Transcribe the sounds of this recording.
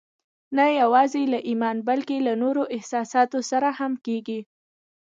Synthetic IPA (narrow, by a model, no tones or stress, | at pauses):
najawɑzelaʔimɑnbalkelanoɾoʔɪhsɑsɑt̪osaɾahamkeɡi